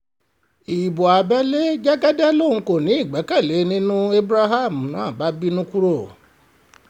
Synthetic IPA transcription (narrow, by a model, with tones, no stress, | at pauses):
i˨bo˨a˨bɛ˦le˦d͡ʒɛ˦ɡɛ˦dɛ˦lo˦˨ŋ̩˨˧ko˦˨nĩ˨˦i˦˨ɡ͡bɛ˨˦kɛ˦˨le˨˦nĩ˦nũ˦e˦bɾa˦ɦa˦˨m̩˨nã˨˦˨ba˨˦bi˦nũ˦ku˦ɾo˦˨